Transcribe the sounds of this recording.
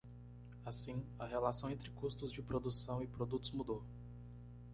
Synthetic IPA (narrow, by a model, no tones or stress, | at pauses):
asĩɐɦelasɐ̃w̃ẽnt̪ɾɪkust̪ʊzd͡ʒɪpɾod̪usɐ̃w̃ɪpɾod̪ut̪ʊzmud̪o